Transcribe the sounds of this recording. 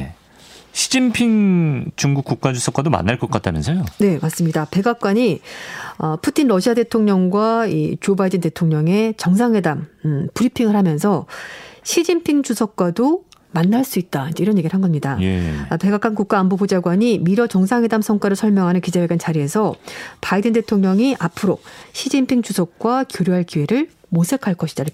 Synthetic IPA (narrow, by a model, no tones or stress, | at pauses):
ḛ | ɕʰid͡ʑimpʰiŋt͡ɕuŋɡuk͈uk̚k͈ad͡ʑusʰʌk͈wadoma̰nːaɭk͈ʌk͈at͈anɯnsʰʌjone̞mas͈ɯmɲidape̞ɡak̚k͈waɲi | ʌpʰutʰinɾʌɕʰiade̞tʰoŋɲʌŋɡwait͡ɕobaidɯnte̞tʰoŋɲʌŋe̞t͡ɕʌŋs̬ʰaŋɦwe̞dampuɾipʰiŋɯɭhamjʌnsʰʌɕʰid͡ʑimpʰiŋd͡ʑusʰʌk̚k͈wadomanːaɭs͈uit̚t͈aind͡ʑe̞iɾʌnjeɡiɾɭɦanɡʌmɲidape̞ɡak͈ankuk̚k͈aːmbobod͡ʑaɡwaɲimiɾʌt͡ɕʌŋsʰaŋɦwe̞damsʰʌŋk͈aɾɯɭsʰʌɭmjʌŋɦanɯnkid͡ʑaweɡant͡ɕaɾie̞sʰʌpaidɯnde̞tʰoŋɲʌŋiʔapʰɯɾoɕʰid͡ʑimpʰiŋt͡ɕusʰʌk̚k͈wakjoɾjoɦaɭkiwe̞ɾɯɭ | mosʰe̞kʰaɭk͈ʌɕʰid̥aiɾk